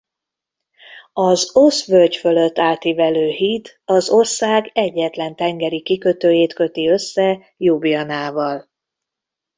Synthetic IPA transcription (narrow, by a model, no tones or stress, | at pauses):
ɒzosʋølcføløt̪ːaːt̪ivɛløːɦiːt̪ | ɒzo̞rsaːɡɛɟːɛt̪lɛnt̪ɛŋɡɛɾikikø̞t̪øːjeːt̪kø̞t̪iø̞sːɛ | jubijɒnaːvɒl